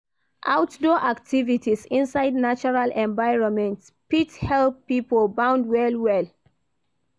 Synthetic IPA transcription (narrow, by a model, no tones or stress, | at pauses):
ʔawtdɔʔaktʰivitisĩnsaɪdnat͡ʃɔɹalʔɛ̃ɱvaɪɹɔ̃nmɛ̃nt | pithɛlpːipɔlbãʊ̃ndwɛlwɛl